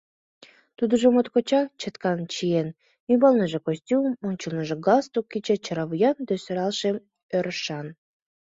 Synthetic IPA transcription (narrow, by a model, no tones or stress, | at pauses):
t̪ud̪ə̆ʒomot̪kot͡ɕɑt͡ɕət̪kɑnt͡ɕien | ybɑlˠnəʒĕkosʲtʲumonʲt͡ɕulnəʒĕɡɑst̪ukːit͡ɕĕt͡ɕəɾɑβujɑnd̪øsøɾɑlˠʃe | øɾəʃɑn